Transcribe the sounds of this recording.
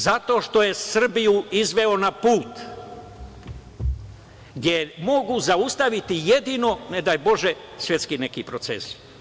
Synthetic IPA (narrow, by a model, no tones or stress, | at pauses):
zat̪o̞ːʃt̪o̞je̞sr̩bijuizʋe̞o̞napuːt̪ | ɡd̪jeɾmoɡuzaust̪aʋit̪ijed̪iːno̞ned̪ajbo̞ʒe | sʋje̞t̪skinekipɾot̪sḛs